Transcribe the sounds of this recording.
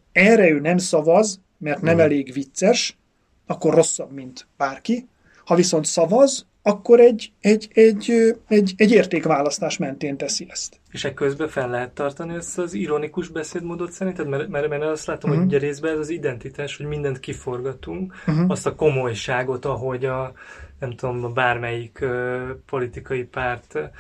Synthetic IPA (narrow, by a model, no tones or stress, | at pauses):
ɛrɛøːnɛmsɒvɒz | mɛrt̪nɛmɛleːɡʋit̪sɛʃ | ɒkːo̞ro̞sːɒbmint̪b̥aːrki | hɒviso̞n̪t̪sɒvɒz | ɒkːo̞ɾɛɟːɛɟɛɟøɛɟɛɟeːrt̪eːkʋaːlɒst̪aːʃmɛnt̪eːnt̪ɛsiɛst̪ | eːʃɛkːøzbɛfɛlːɛɦɛt̪ːɒrt̪ɒniɛst̪ɒziɾo̞nikuʒbɛseːd̪moːd̪o̞t̪sɛɾint̪ɛt̪mɛɾmɛɾmɛrnɛlɒst̪laːt̪omhouɟɛɾeːzbɛɛzɒzid̪ɛnt̪it̪aːʃho̞ɟmind̪ɛnt̪kifo̞rɡɒt̪uŋkɦɒst̪ɒko̞mo̞jʃaːɡo̞t̪ɒɦo̞ɟɒnɛmt̪ud̪ombaːrmɛjikøːpo̞lit̪ikɒjipaːrt̪